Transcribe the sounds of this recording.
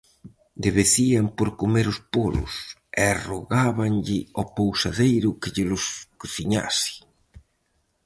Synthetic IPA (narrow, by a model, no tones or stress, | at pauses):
d̪ɪβeθiampoɾkomeɾʊspolʊ̰sɛroɣaβaŋʎɪɔpowsaðejɾʊkɪʎɪlʊskoθiɲa̰sɪ̥